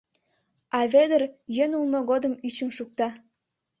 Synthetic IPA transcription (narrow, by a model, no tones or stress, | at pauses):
ɑved̪ərjønulmoɣod̪ə̆myt͡ɕə̆mʃuk̚t̪ɑ